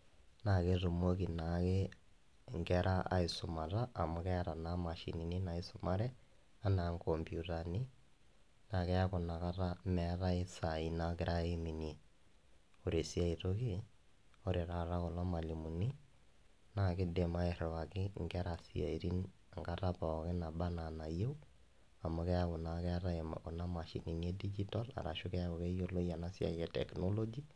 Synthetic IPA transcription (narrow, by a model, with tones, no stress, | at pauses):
na˨ke˦ɾu˨mo˦ki˨nake˦ | ŋɡɛɾʔa˦ʔa̰˨i˨so˨ma˨ɾa˦ʔːmʊ˨kɛ˦ɾa˨nama˨ʃḭ˨ni˨ni˦na˨i˨so˨ma˦ɾɛ˦ | a˦na˨ŋkɔmbju˨ta˨ni˦ | na˨kɛ˦a˦ko˨na˨ka˦ɾa˦mɛ˨˦ɾa˦e˦sa˨i˨nake˦ɾa˦e˦mi˨ni | o˨ɾe˨si˦a˦i˨to˦ki˦ | o˦ɾe˨ɾa˨ɾa˦kɔ˨la˦ma˨li˨mu˨ni˦ | na˦˨kɪ˦de˨ma˦e˨ɾwa˨kɪ˦ŋɡɛ˦ɾa˨sia̰˨i˨ɾi˦n | a˨ŋɡa˦ta˦pa˨ɔ˨kɪ˦na˨ba˦na˨na˨je˦w | a˨mʊ˦kɛ˦a˦kʊ˨na˨kɛ˦a˦ɾa̰˦˨kɔ˨na˦ma˨ʃḭ˨ni˨n˦e˦di˦d͡ʒi˦ta˦la̰˨ɾa̰˨ʃʊ˦kɛ˦a˦kʊ˨kɛ˦jo˦lo˦ja˨na˦sja̰˨iɛ˨tɛ̰˨kno˦lo˦d͡ʒi˦